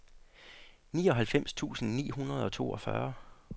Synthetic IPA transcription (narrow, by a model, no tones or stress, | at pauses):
niːɒ̽ɦælfem̰st͡sʰṵːsn̩nḭːɦunʁɐð̞ˠɒ̽t͡sʰo̝̰ːɒ̽fɶ̰ɐ